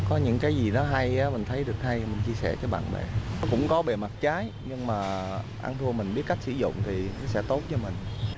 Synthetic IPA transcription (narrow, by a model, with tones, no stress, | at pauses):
kɔ˨˦ɲɨ̰˧˥ŋkaː˨˦jzi˨˩nɔ˨˦ɦa˧jaː˨˦mï˨˩ŋ̟t̪ʰə˨˦jɗɨ˨˩ək̚ha˧jmï˨˩ŋ̟t͡ɕi˧əsɛ̰˧˩kaː˨˦ɓa̰ː˧˨nɓḛ˨˩ɔ˨˦kʊ̰˧˥ŋ͡mkɔ˨˦ɓe˨˩ma˨˩t̚t͡ɕaː˨˦j | ɲɨ˧ŋmaː˨˩ | ʔa̰ː˧nt̪ʰu˧əmï̟˨˩ɓi˦˥ət̚ka˦˥k̟̚sɨ̰˧˩zʊ̰˧˨ŋ͡mt̪ʰi˨˩nɔ˨˦sɛ̰˧˥t̪o˦˥t̚t͡ɕɔ˧mï˨˩ŋ̟